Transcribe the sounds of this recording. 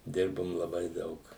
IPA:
ˈdʲɪrbʊm lˠɐˈbɐɪ ˈdɐʊk

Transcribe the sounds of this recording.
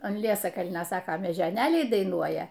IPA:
ɐn ˈlʲiɛsɐkɐlʲnʲoː ˈsɑːkoː mʲɛʒʲoːˈnʲeːlʲɛɪ dɐɪˈnuɔjɛ

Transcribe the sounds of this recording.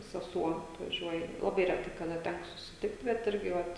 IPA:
sʲɛˈsuɔ ɐtʋɐˈʒʲuɔjɛ lˠɐˈbɐɪ rʲɛˈtɐɪ kɐˈdɐ ˈtʲækoː sʊsʲɪˈtʲɪkt bʲɛt ˈɪrʲɡʲɪ ˈʋɐt

